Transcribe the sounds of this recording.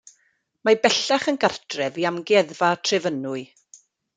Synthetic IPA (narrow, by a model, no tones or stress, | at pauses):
mabɛɬaχənɡartʰrɛviamɡɛðvatʰrɪvənʊɨ